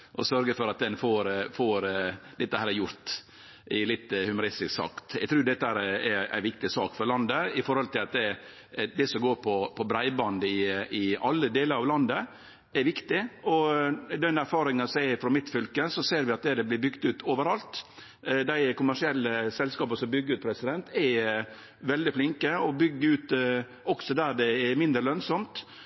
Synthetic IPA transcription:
ʔɔ̰sœɾɡəfɔɾɑt̪̚d̪ɛnfoːɾfoːɾd̪ɛt̪ːəhæːɾɛjʊɾt̪ | ʔɪlɪt̪ːhʉmʊɾɪst̪ɪsksɑ̰kt̪ɛɡt̪ʰɾʉːd̪ɛt̪ːəhæːɾɛɛɾæ̰ɪʋɪk̚t̪ɪsɑ̰ːkfɔɾɭɑnd̪əɪfɔɾhɔlt̪ʰɪlɑt̪d̪ɛ | d̪ɛsɔɡoːɾpʰɔpʰɔbɾæɪbɑnd̪ɪɪɑlːəd̪eːləɾɑʋlɑnd̪ə | ɛɾʋɪkt̪ɪɔd̪ɛnæɾfɑːɾɪŋənsæɪfɾɔmɪt̪fʏlkəsɔseːɾʋɪɑt̪̚d̪ɛd̪ɛblɪbʏɡt̪ʉːt̪ʰoːʋəɾɑlt̪ | d̪æɪkʊmæʂɪɛlːəsɛlskɑːpəsɔmbʏɡəɾʉːt̪̚pʰɾɛsɪd̪ɛnt̪ʰɛ | ʋɛld̪ɪflɪŋkəɔbʏɡːəʉːt̪ | ɔksɔd̪æːɖɛɛmɪnd̪ɾəlœnsɔmt̪

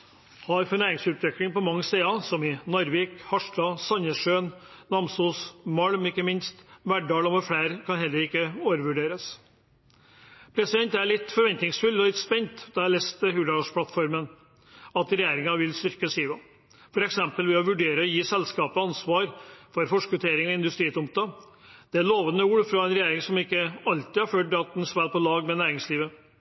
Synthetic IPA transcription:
hɑɾfɔɳæːɾɪŋsʉt̪ʋɛkɽɪŋpɔmɑŋːəseːɑsɔmɪnɔɾʋiːkhɑʂɖɑsɑnəʂøːnnɑmsuːsmɑlmɪkːəmɪnst̪ʋæɖɑːlɔmɛflæɪɾkʰɑnɦɛlːəɾɪkːəoːʋəɾʋʉɖeːɾəs | pʰɾɛsɪd̪ɛnt̪æɭɪt̪ːfɔɾʋɛnt̪nɪŋsfʉlːɔlɪt̪spɛnt̪d̪̥ɑlɛst̪əɦʉɖ̪ɑʂpʰlɑt̪fɔɾmən | ɑt̪ɾɛjeːɾɪŋɑʋɪlst̪ʏɾkəsiːʋɑ | fɔɾɛksɛmpəlʋɛɔʋʉɖeːɾəɔjiːsɛlskɑːpəɑnsʋɑːɾfɔɾfɔʂkʋʉt̪ʰeːɾɪŋɔɪnd̪ʉst̪ɾiːt̪ʊmp̚t̪ɑ | d̪̥ɛæɭoːʋənəuːɽfɾɑɛnɾɛjeːɾɪŋsɔmɪkːəɑlt̪ɪhɑɾføːʈ̚d̪ɑt̪nsʋæːlpɔlɑːɡmɛnæːɾɪŋsliːʋə

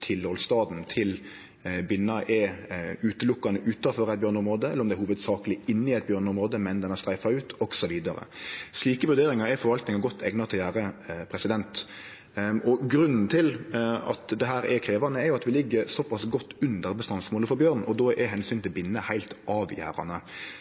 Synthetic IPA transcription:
t̪ʰɪlɔlst̪ɑːd̪n̩t̪ʰɪl | bɪnːɑʔɛʉːt̪əlʊkːɑnəʔʉːt̪ɑfɔɾæɛt̪̚bøːɾnəɔmɾoːd̪əɛləɾɔmd̪ɛɾhuːʋəd̪sɑːklɪɪnːɪæɪt̪bjøːɾnəɔmɾoːd̪əmɛnd̪ɛnæʁst̪ɾæɪfɑʉːt̪ʰɔɡ̥sɔʋiːd̪ɑɾə̰sliːkəʋʉɾd̪eːɾɪŋɑɾɛfɔɾʋɑlt̪nɪŋɑɡɔt̪ʰːɛɡnɑt̪ʰɪljæːɾəpʰɾɛsɪd̪ɛnt̪ | ɔɡɾʉnːn̩t̪ʰɪlɑ̰t̪d̪ɛɦæːɾɛkʰɾeːʋɑnəɛɾjʊɑt̪ʋɪlɪɡːəɾsɔpɑsɡɔt̪ːʉnd̪əɾbəst̪ɑnsmoːləfɔɾbjøːʁn̩ɔd̪ɔːʔɛɦɛnsyːnt̪ʰɪlbɪnːəhæɪlt̪ʔɑːʋjæ̰ːɾɑ̰nə

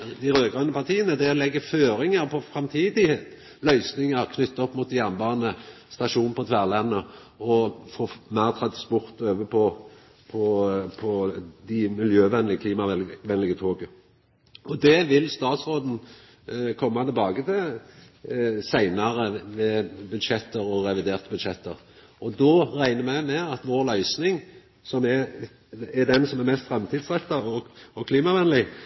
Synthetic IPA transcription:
d̪ɪɾøːɡʁɑnəpʰɑt̪ʰiːənəd̪ɛɔlɛɡːəføːɾɪŋəɾpʰɔfɾɑmt̪ʰiːd̪ɪ | lœʏsnɪŋəɾkʰnʏt̪ːɔpːmut̪̚d̪ɪjæʁnbɑːʁnə | st̪ɑʂuːn̩pɔt̪ʰʋæʁlɛnːəɔfoːmæɪʁt̪ʰɾɑt̪əspʊɾt̪øːʋəpʰɔ | pʰɔpʰɔd̪ɪmɪljøːʋɛnlɪəkliːmɑʋɛnlɪɡət̪ʰoːɡə | ʔɔd̪ɛʋɪlst̪ɑːt̪sɾoːd̪n̩ | kʰɔmːɑt̪ɪlbɑːɡət̪ʰɪ | sæɪnɑɾəʋɛbʉd̪ʃɛt̪ːəɾɔɾɛʋɪd̪eːʁt̪əbʉd̪ʃɛt̪ːəʁ | ʔɔd̪oːʁæɪnəmæɪmɛɑt̪ʋoːɾlœʏsnɪŋ | sɔmɛ | ɛd̪ɛnsɔmæɾmɛst̪fɾɛmt̪ʰiːd̪sʁɛt̪ːɑɔɔkʰliːmɑʋɛnlɪ

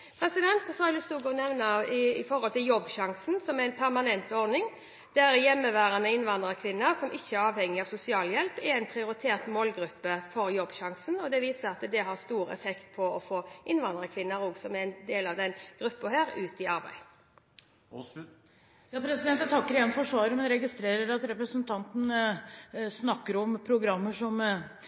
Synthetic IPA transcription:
pʰɾɛsɪd̪ɛnt̪sɔhɑɾɾd̪ʉst̪uːɡonɛʋnɑɪfɔɾhɔlt̪ɪljɔbːɕɑŋsnsɔmæɛɪnpʰæɾmɑnɛnt̪ɔɾnɪŋ | d̪̥æɾjɛmːəʋæːɾənəɪnʋɑnd̪ɾəkʰʋɪnːəɾsɔmʔɪçːəæɾɑːʋhɛŋːɪɑʋsʊsɪɑːljɛlpɛɾæɪnpʰɾɪʊɾɪt̪ʰeːɾt̪moːlɡɾʉpːəfɔɾjɔbːɕɑŋsənɔd̪ɛʋiːsəɾɑt̪d̪ɛɦɑɾst̪uːɾɛ̰fɛkt̪̚pʰɔɔfoːʔɪnʋɑnd̪ɾəkʰʋɪnːəɾɔːɡsɔmæɛnd̪eːlɑʋd̪ɛnɡ̥ɾʉpːəhæːɾʉːt̪ɪɑɾbæ̰ɪ | jɑːpʰɾɛsɪd̪ɛnt̪jæt̪ʰɑkːəɾɛnfɔʂʋɑːɾmɛnɾɛɡɪst̪ɾeːɾəɾɑt̪ɾɛpɾəsənt̪ʰɑnt̪n̩ | snɑkːəɾɔmpʰɾʊɡɾɑmːəʂɔm

